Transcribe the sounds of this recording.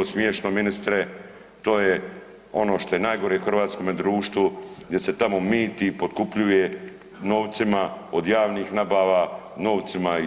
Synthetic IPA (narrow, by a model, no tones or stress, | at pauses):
osmjeːʃnominist̪ɾe | t̪o̞ːje | o̞no̞ːʃt̪o̞jenaːjɡo̞ɾexr̩ʋaːt̪sko̞med̪ɾuːʃt̪ʋuɡd̪ʲje̞se̞t̪amo̞miːt̪ipot̪kupʎuje | no̞ːʋt̪simaod̪jaːʋniːxnabaːʋano̞ːʋt̪sima